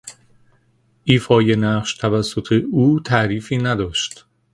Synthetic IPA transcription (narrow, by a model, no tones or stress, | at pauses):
ʔiːfɒːje̞næɢʃt̪ʰævæsːot̪ʰeuːt̪ʰæʔɾiːfiːnæd̪ɒːʃt̪